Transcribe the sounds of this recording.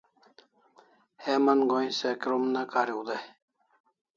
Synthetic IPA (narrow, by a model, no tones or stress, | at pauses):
hemɐnɡoĩsekɾomnakaɾiud̪a